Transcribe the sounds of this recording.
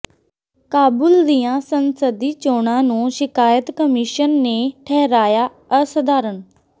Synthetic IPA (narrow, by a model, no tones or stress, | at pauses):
kaːbʊld̪ijãːsənsəd̪iːt͡ʃoːɳãːnũːʃɪkaːjət̪kəmɪːʃənːeːʈʰɛːɦɾaːjaː | əsəd̪aːɾəɳ